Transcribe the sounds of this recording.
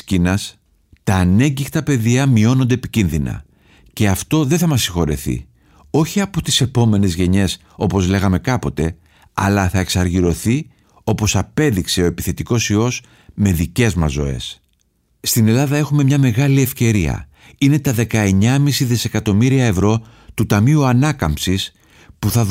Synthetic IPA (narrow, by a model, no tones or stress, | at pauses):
cinɐs | t̪ɐːne̞ɲɟixt̪ɐpe̞ðiɐmio̞no̞nd̪e̞ːpicinðinɐ̰ | ce̞ɐft̪o̞ðeθɐmɐsːixo̞ɾḛθḭ | o̞çiɐpo̞t̪i̥se̞po̞me̞ne̞zʝe̞ɲe̞s | o̞po̞zle̞ɣɐme̞kɐpo̞t̪e̞ | ɐ̰lɐθɐe̞ksɐɾʝiɾo̞θi | o̞po̞sɐpe̞ðikse̞o̞e̞piθe̞t̪iko̞sio̞s | me̞ðice̞zmɐzo̞̰e̞̰s | st̪ine̞lɐðɐe̞xume̞mɲɐme̞ɣɐlie̞fce̞ɾiɐ̰ | ine̞t̪ɐðe̞kɐe̞ɲɐmisiðise̞kɐt̪o̞miɾiɐe̞vɾo̞t̪ut̪ɐmiuɐnɐkɐmsis | puθɐ